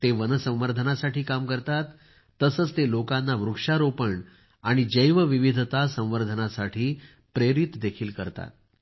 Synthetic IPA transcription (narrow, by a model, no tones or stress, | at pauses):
t̪eʋənəsə̃w̃ʋəɾd̪ʱənasaʈʰiːkamkəɾt̪at̪ː | əsəːt͡st̪elokanːaʋɾukʂaɾopəɳ | aɽ̃id͡ʑəjʋəʋiʋid̪ʱt̪asə̃w̃ʋəɾd̪ʱənasaʈʰiː | pɾeɾit̪d̪ekʰiːlkəɾt̪a̰t̪̚